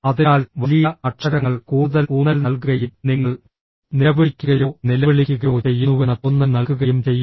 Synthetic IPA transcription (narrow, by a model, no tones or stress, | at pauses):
ɐðiaːlʋɐlijɐɐʈʂɐɾɐŋːɐɭkuːɽuðɐluːnːɐlnɐlkuɣɐjumniŋːɐɭ | niɐʋɐɽikʲːuɣɐjoːnilɐʋɐɭikʲːuɣɐjoːt͡ɕe̞jːunːuenːɐt̪onːɐnɐlkːuɣɐjumt͡ɕe̞jːu